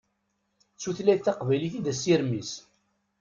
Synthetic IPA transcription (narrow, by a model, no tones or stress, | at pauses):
t͡sːuθlæjθθɑqvæjliθid̪æsiɾmis